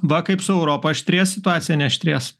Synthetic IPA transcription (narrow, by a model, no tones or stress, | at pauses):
ʋɐkɐɪpsʊɛʊɾoːpoʃʲt̪ʲɾʲeɛssʲɪt̪ʊɑːt̪sʲɪjɛnʲɛʃʲt̪ʲɾʲeːs